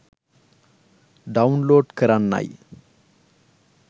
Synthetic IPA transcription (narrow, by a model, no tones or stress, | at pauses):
ɖɐunloːɖkəɾanːa̰j